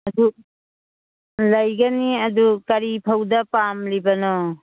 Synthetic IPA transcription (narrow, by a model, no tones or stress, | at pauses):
ɐdu | lɐjɡaniɐdukɐɾipʰawdɐpamlibɐnɔ